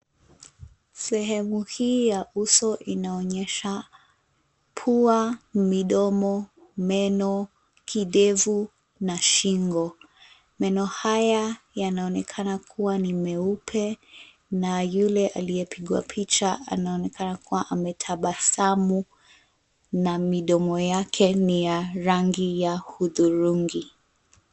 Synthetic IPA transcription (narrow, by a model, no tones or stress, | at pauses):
sɛɦɛmuhiːjaʔusɔʔinaɔɲɛʃa | pʰuamiɗɔmɔmɛnɔ | kʰiɗɛvu | naʃiŋɡɔ | mɛnɔhaja | janaɔnɛkʰanakʰuwanimɛupʰɛ | najulɛʔa̰liɛpʰiɠwa̰pʰit͡ʃaa̰naɔnɛkanakʰuwaʔamɛtʰaɓasamu | namiɗɔmɔjakʰɛnijaɾaŋɡijahuðuɾuŋɡi